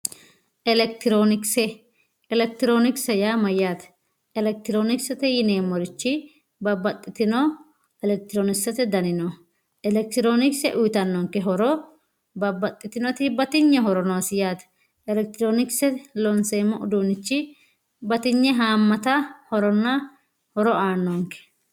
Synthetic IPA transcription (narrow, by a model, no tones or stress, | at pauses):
ʔɛlɛk̚t̪ɪɾoːnɪksɛ | ɛlɛk̚t̪ɪɾo̞ːnɪksɐjaːmɐjaːt̪ɐ̥ | ɛlɛk̚t̪ɪɾoːnɪksɐt̪ɛjɪneːmːɔɾɪt͡ʃːɪ | bɐbːɐt̪ʼːɪt̪ɪnɔ | ɛlɛk̚t̪ɪɾoːnɪksɐt̪ɛd̪ɐnɪnɔ | ɛlɛk̚t̪ɪɾoːnɪksɛʔʊjt̪ɐnːɔŋkɛɦɔɾɔ | bɐbːɐt̪ʼːɪt̪ɪnɔt̪ɪbɐt̪ɪɲːɛɦɔɾɔnɔwsɪjaːt̪ɐ̥ | ɛlɛk̚t̪ɪɾo̞ːnɪksɛlɔnseːmːɔʔʊd̪uːnːɪt͡ʃːɪ | bɐt̪ɪɲːɛɦaːmːɐt̪ɐhɔɾɔnːɐ | hɔɾɔaːnːɔŋkɛ̥